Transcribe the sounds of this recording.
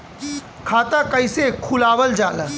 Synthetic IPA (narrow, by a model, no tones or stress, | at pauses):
kʰaːt̪akəjsekʰulaːʋəld͡ʒaːla